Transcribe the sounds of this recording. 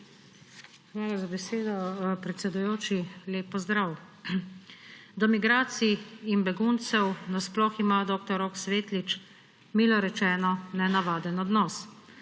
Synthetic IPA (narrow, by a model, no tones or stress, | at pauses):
xʋaːlazabɛseːd̪ɔpɾɛt̪sɛd̪ujoːt͡ʃileːpːɔzd̪ɾaːw | d̪ɔmiɡɾaːt̪siːnbɛɡunt̪sɛwnasplɔximaːd̪oːkt̪ɔɾoksʋeːt̪lit͡ʃ | miːlɔɾɛt͡ʃɛːnɔnɛnaʋaːd̪ɛnɔd̪nɔːs